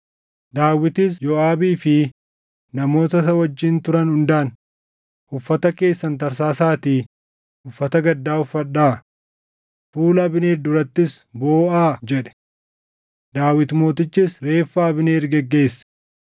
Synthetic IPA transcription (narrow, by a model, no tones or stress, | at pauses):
d̪aːwɪt̪ɪsjɔaːbiːfɪ | nɐmo̞ːt̪ɐsɐwɐd͡ʒːiːnt̪ʊɾɐnhʊnd̪aːn | ʔʊfːɐt̪ɐke̞ːsːɐnt̪ɐɾs̬aːsaːt̪iː | ʔʊfːɐt̪ɐɡɐd̪ːaːʊfːɐᶑaː | fuːlɐbɪneːɾd̪ʊɾɐt̪ːɪsboːʔaːd͡ʒɛᶑɛ̥ | d̪aːwɪt̪mo̞ːt̪ɪt͡ʃːɪsɾe̞ːfːaːɐbɪneːɾɡɛɡːe̞ːsːɐ̥